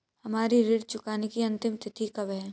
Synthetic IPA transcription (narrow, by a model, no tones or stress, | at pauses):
hɐmaːɾiɾɪɽ̚t͡ʃʊkaːnekiɐ̃nt̪ɪmt̪ɪt̪ʰikɐbɦɛː